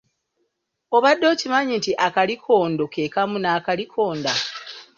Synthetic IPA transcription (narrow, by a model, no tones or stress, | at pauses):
oβadːo̞ːcimaɲintiʔakalikʰo̞ːndoke̞ːkamunaːkalikʰo̞ːnda